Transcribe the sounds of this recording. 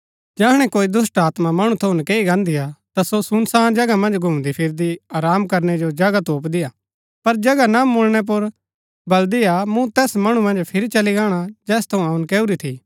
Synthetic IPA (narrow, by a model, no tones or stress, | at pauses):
d͡ʒaːɦɽ̃ɛkoːid̪ʊsʈaːt̪mamɐɽ̃ũt̪ʰɐʊnkeːiɡãːnd̪ijat̪asosʊnsaːnd͡ʒɐɡamɐ̃nd͡ʒɡʱʊ̃md̪ipʰɪɾd̪iaːɾaːmkɐɾnɛd͡ʒod͡ʒɐɡat̪oːpd̪ɪja | pɐɾd͡ʒɐɡanamʊlɽ̃ɛp̬ʊɾ | bɐld̪iamũt̪ɛːsmɐɽ̃ũmɐ̃nd͡ʒpʰɪɾit͡ʃɐliɡãːɽ̃ad͡ʒɛːst̪ʰɐũaʊnkeːuɾit̪ʰi